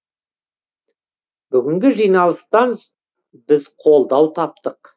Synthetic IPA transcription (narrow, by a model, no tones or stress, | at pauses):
bʏɡʲɪŋɡʲɪʒijnɑlˠəst̪ɑn | bɪzqʰo̞lˠd̪ɑwt̪ʰɑp̚t̪əq